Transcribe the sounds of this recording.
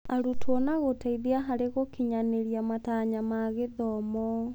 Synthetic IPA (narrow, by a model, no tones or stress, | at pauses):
aɾutwɔnaɣotaiðeaɦaɾeɣokiɲaneɾiamataɲamaɣeðɔmɔ